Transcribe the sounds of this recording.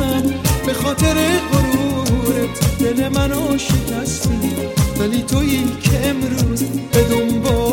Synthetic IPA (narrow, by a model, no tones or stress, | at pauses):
ænbe̞xɔːt̪ʰe̞ɾeɢoɾuɾet̪ʰdelemænɔʃecʰæst̪id̪ivæliːt̪ʰo̞jiːkʰeːmɾuːzbe̞d̪ombɔː